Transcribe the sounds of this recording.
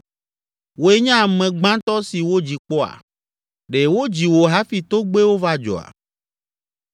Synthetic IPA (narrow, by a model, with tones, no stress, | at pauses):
wo˦e˦ɲã˦˨mɛ̃˨ɡ͡bã˦t̪ɔ˦si˨wo˦d͡ʑi˨k͡pɔ˦a̰˨ | ɖe˨wo˦d͡ʑi˨wo˨ɦa˦fi˨t̪o˦ɡ͡be˦wo˦va˦d͡ʒɔ̰˨a̰˨